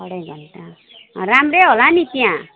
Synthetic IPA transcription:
ʌɽeɡʱʌnt̪a | ɾamreɦolanit̪iã

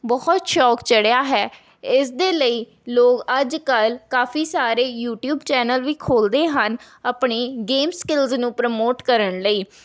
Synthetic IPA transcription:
bɔːt̪ʃɔːkt͡ʃəɽeaːɦɛː | ɪsd̪eːləiː | loːkəd͡ʒkəlkaːfʰiːsaːɾeːjuːʈjuːbt͡ʃɛːnəlʋiːkʰoːld̪eːɦən | əpɳeːɡeːmskɪlznũːpɾəmoːʈkəɾəɳləiː

